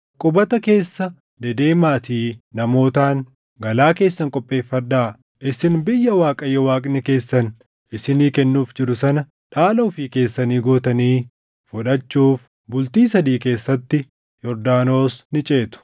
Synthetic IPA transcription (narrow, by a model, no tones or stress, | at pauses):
kʼʊbɐt̪ɐke̞ːsːɐ | d̪ɛd̪e̞ːmaːt̪iːnɐmo̞ːt̪aːn | ɡɐlaːke̞ːsːɐŋkʼɔpʼːe̞ːfːɐᶑaː | ʔɪsɪnbɪjːɐwaːkʼɐjːɛwaːkʼnɪke̞ːsːɐn | ʔɪsɪniːkɛnːuːfd͡ʒɪɾʊsɐnɐ | ᶑaːloːfiːke̞ːsːɐniːɡoːt̪ɐniː | fʊᶑɐt͡ʃːuːf | bʊlt̪iːsɐd̪iːke̞ːsːɐt̪ːɪ | jɔɾd̪aːno̞ːsnɪt͡ʃʼe̞ːt̪ʊ̥